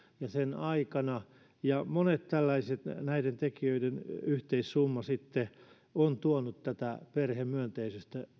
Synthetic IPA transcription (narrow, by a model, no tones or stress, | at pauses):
jɑsenɑikɑnɑ | jɑmonet̪t̪ælːæiset̪næident̪ekiøidenyht̪eissumːɑsit̪ːe | ont̪uonut̪t̪æt̪æperhemmyønt̪eisøst̪æ